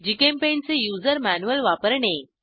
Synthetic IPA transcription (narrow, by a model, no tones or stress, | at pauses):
d͡ʑikempent͡sejuːd͡zəɾmænuʋəlʋapəɾɳe